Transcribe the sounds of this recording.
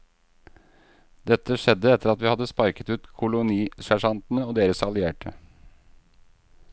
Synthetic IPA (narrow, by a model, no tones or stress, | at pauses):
d̪ɛt̪ːəʃɛd̪əɛt̪ʰːəɾɑt̪ʋiːhɑd̪əspɑɾkət̪ʉːt̪kʰʊlʊniːʃæʂɑnt̪n̩əoːd̪eːɾəsɑlʏeːʈə